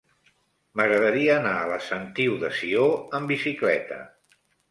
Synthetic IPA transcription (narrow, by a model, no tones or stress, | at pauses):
məɣɾəðəɾiəːnaələsənt̪iwðəsioəmbisiklɛ̰t̪ə̰